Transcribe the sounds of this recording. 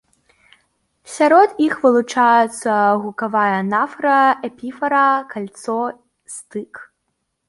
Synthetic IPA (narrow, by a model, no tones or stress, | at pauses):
sʲaɾɔd̪ixvɨlˠut͡ʂajɛt̪sːɐɣukavajɐnafɾɐɛpʲifɐɾɐkalʲt̪sɔ | sʲt̪ɨk